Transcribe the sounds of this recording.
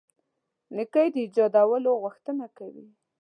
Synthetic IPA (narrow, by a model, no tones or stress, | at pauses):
nikəjd̪əid͡ʒɑd̪awəloɣʊxt̪ənakawḭ